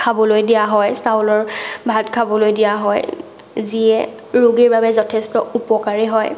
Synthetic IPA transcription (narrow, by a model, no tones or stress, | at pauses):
kʰabɔlojdijaɦɔjsawlɔɹbʱatkʰabɔlojdijaɦɔj | ziɛ | ɹuɡiɹbabɛzɔtʰɛstɔupɔkaɹiɦɔj